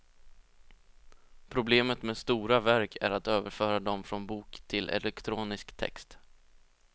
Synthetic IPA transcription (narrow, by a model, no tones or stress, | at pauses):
pʰɾʊbleːmət̪meːst̪uːɾavæɾkʰæɾat̪øːvəɾfœːɾad̪ɔmfɾɔnbuːkt̪ʰɪlʔɛ̰lɛkt̪ʰɾuːnɪskt̪ʰɛ̰kst̪